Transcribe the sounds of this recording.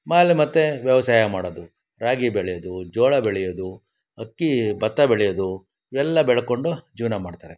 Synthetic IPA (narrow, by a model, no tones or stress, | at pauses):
maːlimɐt̪ːeʋjɐʋɐsaːjɐmaːɽod̪u | ɾaːɡibeɭɛjod̪ud͡ʒɔːɭɐbeɭɛjod̪u | ɐkːibɐt̪ːɐbeɭɛjod̪u | iʋɛlːɐbɛɭɐkoɳɖud͡ʒiːʋnɐmaːɖt̪aːɾe